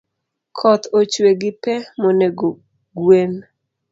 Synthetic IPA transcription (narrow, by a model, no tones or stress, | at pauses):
kʰɔt̪ot͡ʃweɡɪpɛmoneɡo | ɡwen